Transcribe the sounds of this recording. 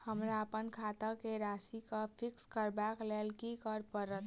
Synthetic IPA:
həmɾaəpənkʰat̪əkeɾasikəpʰikskəɾbaklelkikəɾpəɾət̪

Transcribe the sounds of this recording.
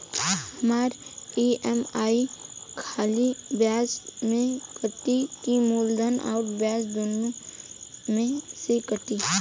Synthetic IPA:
hɐmaːɾiɛmaːikʰaːlibjaːsmẽkəʈ̪ikimuːld̪əna̰ːɾbjaːsd̪oːno | mẽsekət̪i

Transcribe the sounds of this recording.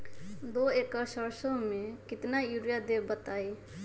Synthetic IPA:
d̪oekəsəɾsõmẽkɪt̪najuɾjad̪ebət̪aːe

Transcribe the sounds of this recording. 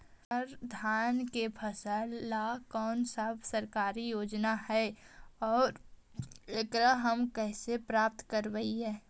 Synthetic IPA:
əɾd̪ʱaːnkepʰəsəɾːakɔːnsəbʰsəɾkaːɾijoːd͡ʒnahɛɔːɾ | ekɾəɦəmkɛːsepɾaːp̚t̪kəɾbəiɦɛː

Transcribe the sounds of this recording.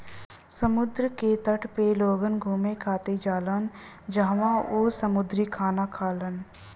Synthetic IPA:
səmʊd̪ɾəket̪əʈʰpeloːɡənɡʱuːmẽkʰaːt̪ed͡ʒaːlən | d͡ʒaɦʋãoːsəmʊd̪ɾikʰaːnakʰaːlən

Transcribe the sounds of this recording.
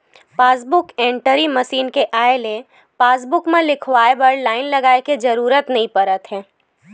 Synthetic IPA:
paːs̬bʊkɛ̃ːɳʈəɾimɐʃiːnkeʔaːele | paːsbʊkmẽlɪkʰʋaːebəɾɖlaːɪnlɐɡaːeked͡ʒɐɾuːɾət̪nɐɦĩpɐɾət̪ɦɛ̃ː

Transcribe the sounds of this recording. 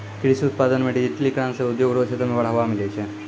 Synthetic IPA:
kiɽisiut̪̚pad̪ənmeʈiit̪likɽãnseud̪joɡɾot͡ʃʰet̪ɐmeʋɐɭɦɐʋamilet͡ʃʰe

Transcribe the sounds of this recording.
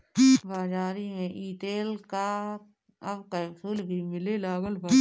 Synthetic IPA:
baːd͡ʒaːɾimẽʔiːt̪eːlka | ɐbkaʊsuːlbʱimɪlelaːɡəlb

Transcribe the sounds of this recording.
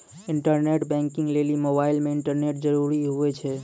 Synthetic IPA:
ɪɳʈəɾneʈbɛ̃ŋkɪŋɡlelimobaːɪlmẽɪɳʈəɾneʈd͡ʒəɾuɾiɦuɛt͡ʃʰɛ

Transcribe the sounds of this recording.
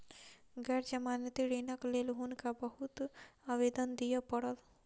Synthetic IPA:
ɡɛɾd͡ʒɐmaːnət̪iɽeːnəkleːlɦunkabɐɦʊt̪aʋeːd̪ənd̪ijapɐɽət̪

